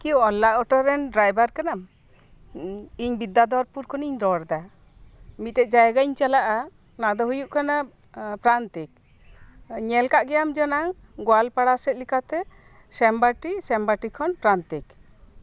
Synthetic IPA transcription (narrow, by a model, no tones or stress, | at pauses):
kiuɔlːaʔɔʈɔɾɛnɖɾajbaɾkanam | iɲbid̪ːad̪ɔɾpuɾkʰɔniɲɾɔɽd̪a | mit̪̚ɛt̪̚ˀd͡ʒajɡaiɲt͡ʃalaʔa | nad̪ɔɦujuʔkana | pɾant̪ik̚ | ɲɛlkaʔɡɛjamd͡ʒɔnaŋ | ɡɔalpaɽasɛt̪̚likat̪ɛ | sɛmbaʈisɛmbaʈikʰɔnpɾant̪ik